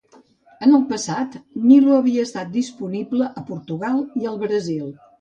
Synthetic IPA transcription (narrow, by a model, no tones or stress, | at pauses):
ənəlˠpəsat̪niluəβiəːst̪at̪̚d̪ispunibləʔəpuɾt̪uɣalˠiəlˠβɾəzilˠ